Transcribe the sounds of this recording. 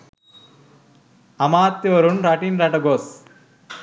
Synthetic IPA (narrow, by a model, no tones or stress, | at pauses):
ɐmaːt̪jɐʋɐɾunɾaʈinɾɐʈɐɡos